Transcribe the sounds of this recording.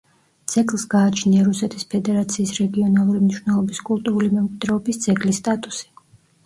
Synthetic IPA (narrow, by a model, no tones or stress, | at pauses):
t̪sʰɛkʼlˠsɡaːt͡ʃʰniaɾusɛt̪ʰispʰɛd̪ɛɾat̪sʰiːsɾɛɡiɔnalˠuɾimniʃvnɛlˠɔbiskʼulˠt̪ʼuɾulimɛmkʼwid̪ɾɛɔbist̪sʰʼɛkʼlist̪ʼat̪ʼusi̥